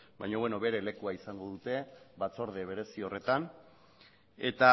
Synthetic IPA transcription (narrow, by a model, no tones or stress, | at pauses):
bajɲoβweno̞βe̞ɾe̞le̞kuaisaŋɡo̞ðut̪e̞βat͡so̞ɾð̞e̞β̞e̞ɾe̞sio̞re̞t̪an | e̞t̪a